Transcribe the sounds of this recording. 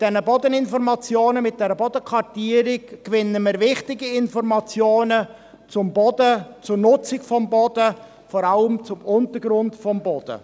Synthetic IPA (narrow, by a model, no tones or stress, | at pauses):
d̥ɛnəbɔd̪ənɪnfɔɾmɑt͡sjoːnəmɪt̚d̥ɛɾəbɔd̥̪əkʰʋɑrtiːəɾɪkːʋɪnːəmɪːɾvɪχtɪɡiɪnfɔɾmɑt͡sjoːnə | t͡sʊmbɔdət͡sʊrnʊt͡sɪkfɔmbɔd̥̪ə | fɔɾɑləmt͡sʊmʊntəɾɡɾʊndfɔmbɔd̥̪ə̰